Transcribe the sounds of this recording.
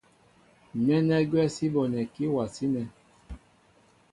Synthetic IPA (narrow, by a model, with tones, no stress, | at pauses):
nɛ˦nɛ˦ɡɛ˦˨si˦vɔ˨nɛ̃˨ki˦wa˨si˦nɛ˨